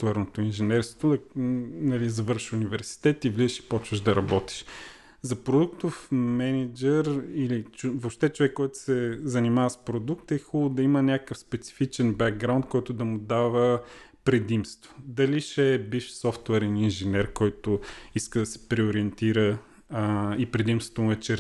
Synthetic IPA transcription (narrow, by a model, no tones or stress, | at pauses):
t̪ɛɾnot̪oinʒɛnɛɾst̪o̥t̪od̪ɐnɐlizɐvɤɾʃunivɛɾsi̥t̪ɛt̪ivlizəʃi̥pɔt͡ʃvəʒd̪ɐɾɐbɔt̪i̥ʃ | zɐpɾod̪uk̚t̪ʊfmɛnid͡ʒɛɾilit͡ʃvopʃt̪ɛt͡ʃovɛkːɔjt̪ʊ̥sɛzɐnimavəspɾod̪uk̚t̪ɛxulˠʊd̪ɐimənʲakəfspɛt̪si̥fit͡ʃɛnbɛɡɡɾaʊnt̪̚kɔjt̪ʊd̪ɐmʊd̪avə | pɾɛd̪imst̪vod̪ɐliʃɛbiʃsɔft̪ʊɛɾɛninʒinɛɾkɔjt̪ʊiskəd̪ɐsɛ̥pɾɛʊɾiɛnt̪iɾə | ipɾɛd̪imst̪vo̥t̪omʊɛt͡ʃɛɾ